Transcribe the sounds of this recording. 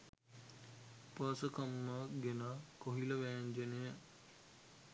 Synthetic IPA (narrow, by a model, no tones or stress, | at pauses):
pəsəkɐmːəɡenakoɦiləʋæːɲd͡ʒenejə